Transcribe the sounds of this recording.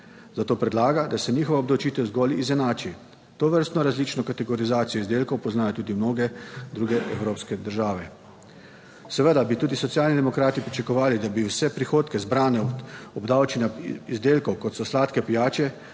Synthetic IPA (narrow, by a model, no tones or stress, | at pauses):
zat̪oːpɾɛd̪laːɡad̪asɛniːxɔʋaɔbd̪ɐwt͡ʃiːt̪ɛwzɡɔlizɛnaːt͡ʃi | t̪oːʋəɾst̪nɔɾazliːt͡ʃnɔkat̪ɛɡɔɾizaːt̪sijɔizd̪eːlkɔwpɔznaːjɔt̪uːd̪imnoːɡɛd̪ɾuːɡɛʔɛwɾoːpskɛd̪əɾʒaːʋɛ | sɛʋəd̪abit̪uːd̪isɔt̪sjaːlnid̪ɛmɔkɾaːt̪ipɾit͡ʃakɔʋaːlid̪abiwsɛpɾixoːt̪kɛzbɾaːnɛɔbd̪aːwt͡ʃinʲjaizd̪eːlkɔwkɔt̪sɔslaːt̪kɛpijaːt͡ʃɛ